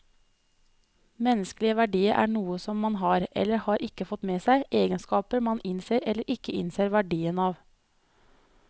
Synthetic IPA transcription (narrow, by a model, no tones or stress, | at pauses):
mɛnəsklɪəʋæɖiːəɾʔæ̰ːɳuːəsɔmmɑnhɑːɾɛ̰ləɾhɑːɾʔɪkəfɔt̪meːsæɪʔeːɡənskɑːpəɾmɑnʔɪnseːɾɛləɾʔɪkəɪ̰nseːɾʋæɖiːənɑːʋ